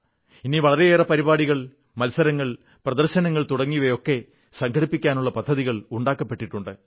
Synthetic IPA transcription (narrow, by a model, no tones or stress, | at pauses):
iniʋɐɭɐɾe̞eːrɐpɐɾibaːɽiɣɐɭ | mɐlsɐɾɐŋːɐɭ | prɐðɐrɕɐnɐŋːɐɭt̪uɽɐŋːijʋɐjo̞kːe̞ | sɐŋkʰɐɽipːikʲːaːnuɭːɐpɐd̪ʱːɐðiɣɐɭuɳɖaːkːɐpːe̞ʈːiʈːuɳɖɨ